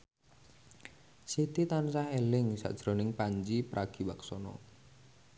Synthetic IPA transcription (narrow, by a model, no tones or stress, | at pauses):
sit̪it̪ansahelɪŋsa̰ʔd̥ʒ̥ɾonɪŋpaɲd͡ʒipɾʔaɡ̥i̤waksɔnɔ̰